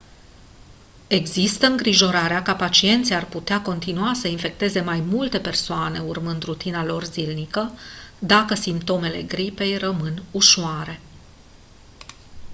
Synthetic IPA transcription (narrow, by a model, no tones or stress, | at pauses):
e̞ɡzist̪əɨŋɡɾiʒo̞ɾaɾeakapat͡ʃie̞nt̪sʲjarput̪eako̞nt̪inuasəinfe̞k̚t̪e̞ze̞majmult̪e̞pe̞rsoane̞urmɨnd̪rut̪inalo̞rzilnikəd̪akəsimpt̪o̞me̞le̞ɡɾipe̞jrəmɨnuʃoaɾe̞